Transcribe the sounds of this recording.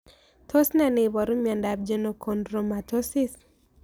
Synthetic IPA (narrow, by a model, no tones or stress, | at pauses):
tʰosnaneβɔɾumjandab̚d͡ʒenokʰondɾomatʰosis